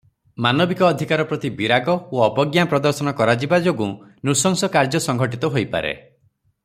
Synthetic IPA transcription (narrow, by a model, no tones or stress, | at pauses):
manɔbikɔːd̪ʱikaɾɔpɾɔt̪ibiɾaɡɔoɔbɔɡjapɾɔd̪ɔɾsɔnɔkɔɾad͡ʒibad͡ʒoɡunusɔŋsɔkaɾd͡ʒɔsɔŋɡʱɔʈit̪ɔɦojpa̰ɾḛ